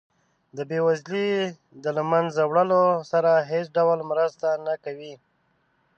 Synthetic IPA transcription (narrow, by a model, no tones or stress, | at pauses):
d̪əbewazli | d̪əlamanzawɽəlosaɾaɦesɖawlmɾəst̪anakawi